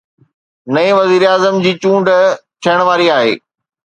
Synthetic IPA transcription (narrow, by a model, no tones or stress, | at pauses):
nɐĩʋɐziːɾaːzəmd͡ʑiːt͡ɕũːɳɖt͡ɕ̪ʰɐəɽ̃ʋaːɾiaːɦḛː